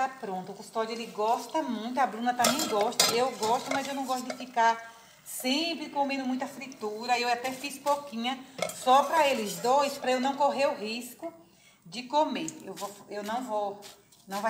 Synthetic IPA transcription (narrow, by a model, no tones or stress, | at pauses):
apɾõnt̪ʊkust̪ɔd͡ʒelɪɡɔst̪ɐmũj̃t̪̬ʊabɾũnɐt̪ɐmẽj̃ɡɔʃt̪ɐewɡɔʃt̪ʊmɐzewnɐ̃w̃ɡɔst̪ʊd̪ɪfika | sẽpɾɪkõmẽnd̪ʊmũj̃t̪ɐfɾit̪uɾɐewat̪ɛfispokĩɲɐsɔpɾɐelɪzd̪ojspɾɐewnɐ̃w̃koɦeɾʊɦiskʊ | d͡ʒɪkõmeewvofewnɐ̃w̃vow | nɐ̃w̃va